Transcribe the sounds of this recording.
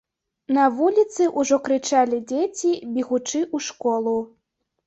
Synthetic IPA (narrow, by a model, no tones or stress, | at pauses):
nɐvulʲit̪sɨʔuʐɔkɾɨt͡ʂalʲid͡zʲet͡sʲibʲɛɣut͡ʂɨʔuʂkɔlˠu